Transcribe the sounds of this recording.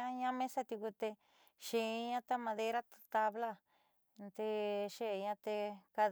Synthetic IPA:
ã˦ɲã˦mẽ˦sa˦t̪u˧ku˧t̪e˧ | ʃẽ˨˦ɲã˦t̪a˦mã˧ðe˦ɾa˦t̪t̪a˧βla˦ | nt̪e˧ʃe˦˧ɲã˧t̪e˧ka˧

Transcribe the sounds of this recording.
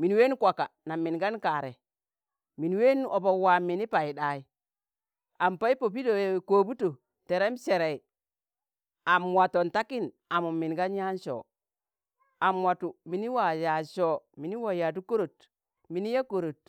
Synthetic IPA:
mi˨n˦we˦n˦kʷa˨ka˨na˨mːi˨nɡa˦nka˨ɾe˨ | mi˨n˦we˦n˦ʔo˨bo˦˨˦wa˨mi˨ni˦pa˨i˨ɗa˨i˦ | a˨mpa˦i˦po˨pi˦do˨ko˨bu˦to˨ | te˨ɾe˦mse˨ɾe˨i˨ | a˨mwa˨to˨nta˦ki˦n | a˨mu˨mːi˨nɡa˦n˦ja˦n˦ʃo̰ː˨ | a˨mwa˨tu˨mi˨˦ni˦wa˨ja˨ʃo˦mi˨ni˦wa˨ja˨t̬u˦ko˦ɾo˨t | mi˨ni˦ja˦ko˨ɾo˨t̚

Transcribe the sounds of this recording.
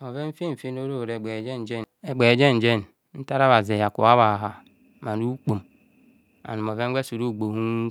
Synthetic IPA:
o˨ve˦m̩˦fe˦m̩˨fe˦no˦ɾo˦˨ɾe˨ɡ͡be˨d͡ʒe˦n˨d͡ʒe˦ne˨ɡ͡be˨d͡ʒe˦n̩˨d͡ʒe˦n˨ | n̩˦ta˦ɾa˦βa˨ze˨ja˨kṵ˨a˦βa˨a˨ɦa˨ | ma˨nu˦k͡po˨m | a̰˨nu˨m˨o˨ve˦ŋ̩˦ɡe˦su˨ɾu˦˨ɡ͡bo˨hu˦

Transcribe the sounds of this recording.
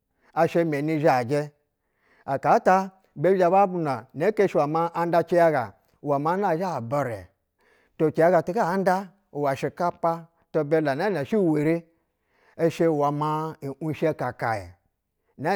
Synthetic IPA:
a˧ʃe˧mʲe˨ni˧ʒa˦˨d͡ʒe˧ | a˨ka˨˦ta˧ | be˦a˧ba˦bu˧na˨ne˦ke˦ʃi˧wa˨ma˧ʔa˧n˦da˧t͡ʃe˦ja˦ɡa˨ | wa˨ma˧˦na˦˨ʒa˦˨ba˨ɾḛ˨ | to˧t͡ʃe˨ja˦ɡa˧tu˦ɡa˦˨˦n˦da˦˨ | wa˨ʃe˧ka˦pa˦ | to˧be˧la˨na˦na˨ʃi˦˨we˨ɾi˦ | e˦ʃe˧˨wa˨ma˧i˨ʔu˦ʃe˦ka˨ka̰˨jḛ˨ | na˦

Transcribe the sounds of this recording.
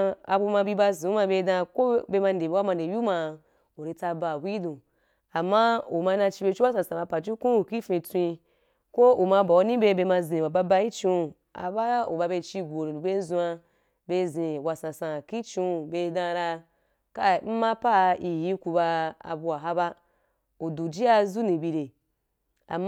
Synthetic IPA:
a̰˧˨bu˧ma˧bi˧ba˧zũ˨˦ma˧be˧˦dã˧ko˦be˧ma˧nde˨be˦wa˦ma˧nde˨ju˦ma˧ | o˨ɾe˧ta˧ba˨bʷi˦dũ˨ | a˨ma˦o˨ma˧nã˧t͡ʃi˧be˧t͡ʃi˦wa˦sã˧˨sã˨ba˧pa˨t͡ʃi˦kũ˦˨ki˦fẽ˧tʷi˧ | kʷo˦o˨ma˧ba˨o˧˦nĩ˦be˧be˧ma˧zĩ˨wa˨ba˧ba˧˦i˦t͡ʃi˧˨ | a̰˨ba˦o˨ba˧be˧t͡ʃi˧ɡʷo˨ɾi˨ɾu˨be˦zũ˧a˧ | be˧zẽ˨wa˨sã˨sã˨ki˦t͡ʃĩ˧˨be˧dã˧ɾa˧ | ka˦m̩˦ma˦pa˦i˧ji˦ku˧ba˧a̰˨bu˧a˨ɦa˦ba˦ | o˨du˨d͡ʒi˦a˧zu˦nĩ˨bi˧ɾe˨ | a̰˨m

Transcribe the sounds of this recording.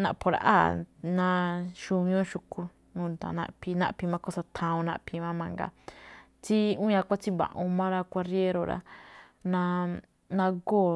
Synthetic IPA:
nã˧˨pʰo˧ɾa̰˧ʔa̰˦˨nã˦˧ʃu˧ɲ˦õ˦ʃu˧ku˧ | ũ˧nd̪a̰˨nã̰˧ʔpʰi˧nã̰˦ʔpi˧mã˧ko˦sa˧t̪ʰã˧ũ˧nã˧pʰi˧mã˦mã˧ŋɡa̰˨ | t͡si˦ũ˦ɲã˧kʷa˦t͡ʃi˦βã̰˨ʔũ˧mã˦ɾa˧kʷa˧ɾje˦ɾo˧˨ɾa̰˧ | nã˧ | nã˧ɡoː˦˨

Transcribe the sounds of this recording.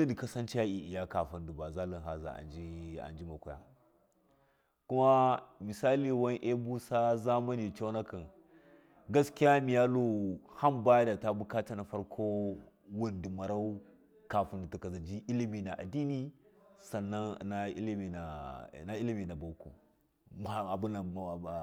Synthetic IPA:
a˦di˨ka˦sa˦nt͡ʃi˦a˦i˨ʔi˨ja˦ka˨fa˨ndi˨ba˨za˦li˨nɦa˨za̰˨a̰˨nd͡ʒi˦a̰˨nd͡ʒi˦ma˨kʷu˦ja̰˦ | ku˦ma˦mi˨sa˦li˨wa˦nʔe˦bu˦sa˦za˦ma˦ni˨t͡ʃa˦na˦ka˨n | ɡa˦ski˦a˦mi˨ja˦lo˦ha˦mba˦ja˦da˨ta˦bu˦ka˦t͡ʃa˦na˨fa˦ɾkʰo˦wu˦ndi˨ma˨ɾa˦u˦ | ka˨fu˨ndi˨tu˨ka˨za˨d͡ʒi˦ʔi˦li˦mi˨na˨ʔa̰˨di˦ni˦sa˨nːa˦n̰˨na˨ḭ˦li˦mi˨na˨na˦i˦li˦mi˨na˨ba˨˦kṵ˨ | ma˨a˨bu˦na˨

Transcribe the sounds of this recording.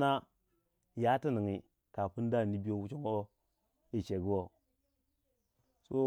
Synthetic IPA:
na˦ | ja˦ti˦ni˨ŋi˨ | ka˨pu˦n˦da˦˨ni˦bi˦jo˦wu˦t͡ʃo˦ŋo˦o˦ | i˨t͡ʃe˨ɡi˦wo˨ | so˦

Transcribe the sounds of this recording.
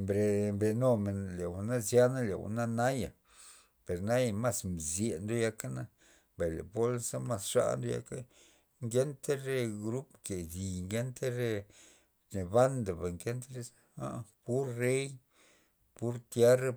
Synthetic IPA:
mbɾe˨mbe˨no˧˨me˨nle˨wu˨na˦zja˦na˦lḛ˨wṵ˨na˦na˦ja̰˨ | pe˨ɾna˦ja˧˨ma˦smzje˨nd̪o˦ja˦ka˦na˦ | ba˨jlḛ˨po˦lsa˦ma˦˨sʂa̰˧ʔnd̪o˦ja̰˧˦ka˦ | ŋɡe˦nt̪e˦ɾe˦ɡɾu˦pke˨d̪i˨ŋɡe˦nt̪e˦ɾe˦ | t͡ʃe˨ba˦nd̪a˨ba˨ŋke˦nt̪ɾe˦a˦pu˦ɾːe˦j | pu˦ɾt̪je˦ɾa˦

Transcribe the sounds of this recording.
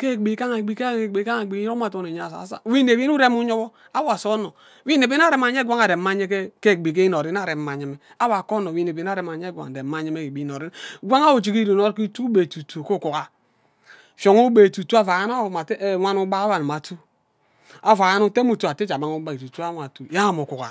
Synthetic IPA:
ke˦˨ɡ͡bi˨˦ka˦ŋa˨bi˨kɡ͡bi˨˦ka˦a˨ɡ͡bi˨˦o˦ma˨to˨ne˨ɲ˨a˨sa̰˨˦sa̰˦˨wi˦ne˨βi˦nu˦ɾe˦mu˦ɲo˦βɔ˦ | a˦wa˨so˦no˨˦ | wi˦ne˨bi˦n˦a˦ɾe˨˦ma˨ɲ˦e˦ɡʷa˦ŋa˨de˨ma˦ɲe˦ke˦ke˦˨bi˨ke˦i˦n˨o˨ɾi˦n˦a˦˨ɾe˨˦ma˨ɲe˦me˦ | a˦wa˨ko˦no˨wi˦ne˨i˨˦na˦ɾe˨ma˨ɲe˦ɡʷa̰˨de˨ma˦ɲe˦me˦ki˨bi˨˦no˨ɾi˦nɡʷa˦ŋa˦u˨t͡ʃi˨ki˦ɾi˨no˦ɾki˦tu˦be˨tu˨tu˨ko˦˨ku˨ka˨ | fjo˨ŋu˦be˨tu˨tu˦a˦va˨ja˦na˦˨ma˨twa˦nu˦ba˦wa˨n˨ma˨tu˦ | a˨va˨a˦nu˦te˦mu˨tu˨a˨te˦t͡ʃa˨ma˦ŋu˦ba˨i˨tu˨tu˦a˦wa˨tu˨ja˦˨mo˨ku˨ka̰˨

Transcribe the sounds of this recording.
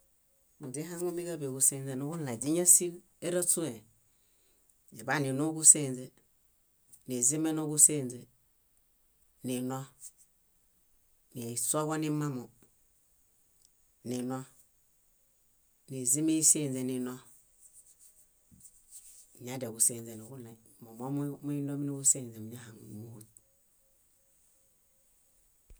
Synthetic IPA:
u˨d͡ʒi˦ɦa˦ŋɡu˦mi˦ɡa˦be˨ɡu˨se˦nze˨nu˦ɡu˦n˨la˨d͡ʒi˦ɲa˦si˦ | e˦ɾa˦tu˦e˨ | d͡ʒe˨ba˦˨ni˨nu˦ɡu˦se˦˨nze˨ | ni˨zi˦me˦no˦ɡu˦se˦˨nze˨ | ni˨no˦ | ni˨so˦ɡa˦ni˦ma˦mo˨ | ni˨no˦ | ni˨zi˦me˦se˦˨nze˨ni˨no˦˨ | ɲa˦de˨ɡu˨se˦˨nze˨nu˨ɡu˦na˨ | mo˨mo˦mmu˦i˦no˦mi˦nu˦ɡu˦seː˦˨nze˨mi˨ɲa˦ha˨ŋmu˦hu˨t̚

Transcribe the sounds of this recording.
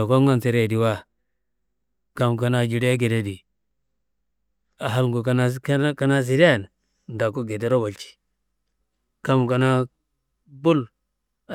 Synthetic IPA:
a˨ko˦ŋa˦˨nse˨ɾe˦˨di˨wa˦ | ka˨mka˨na˦d͡ʒi˨ɾe˦ɡe˨de˦di˨ | a˨ɦa˦lŋɡu˨ka˦na˦kka˦na˦s̬i˨˦de˦˨n | n˨da˨ko˦ɡe˨de˦ɾo˦ba˨lt͡ʃi̥˨ | ka˦m˨ka˨na˦ | bu˦l

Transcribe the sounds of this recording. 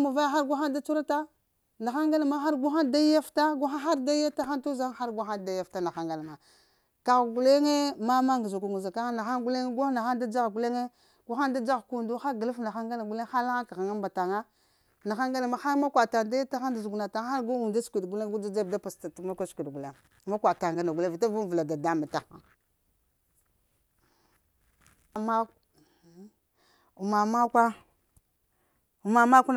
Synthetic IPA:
ma˨va˦ja˦xa˦ɾɡʷa˦xa˦nda˦t͡ʃu˦ɾa˦ta˦ | na˨xa˦ŋɡa˦la˨˦ma˦xa˦ɾɡu˦xa˦n˨da˦a˦fta˦ɡa˦xa˦xa˦ɾda˦a˦ta˦xa˦ntu˦za˦ŋ˦xa˦ɾɡʷa˦xa˦n˨da˨ja˨fta˦na˨xa˦ŋɡa˨la˨ma˨ | ka˨ɣɡu˨le˦ŋe˦ma˦ma˦ŋɡzu˨ɡu˨ŋu˨za˨ka˦na˨xa˦ŋɡu˦le˦ŋe˦ɡʷa˦na˨xa˦nda˦d͡ʒa˦ɣɡu˦le˦ŋe˦ | ɡ̥ʷa˦xa˦nda˦d͡ʒa˦ɣku˨ndu˦xa˦ɡə˨lu˦fna˨xa˦ŋɡa˦la˨ɡu˦le˦ŋ˦xa˦la˦ŋa˦ka˨ɣa˨ŋa˦mba˨ta˨ŋa˦ | na˨xa˦ŋɡa˦na˨ma˦xa˦ɾma˦kʷa˨ta˨da˦jta˦xa˦nda˨zu˨ɡu˨na˨ta˨˦xa˦ɾɡu˦u˨nda˦skʷi˨dɡu˦le˦ŋ˦ɡu˦d͡ʒa˦d͡ʒa˦˨da˦pa˨sta˨tma˦kʷa˦skʷi˨dɡu˨le˦˨ | ma˦kʷa˨ta˨ŋɡa˦na˨ɡu˨le˦˨vi˨ta˦vu˦n˨və˨la˨da˨da˦ma˨ta˨xa˦˨ | ma˦ | u˨ma˨ma˦kʷa˦ | u˨ma˨ma˦kʷu˦

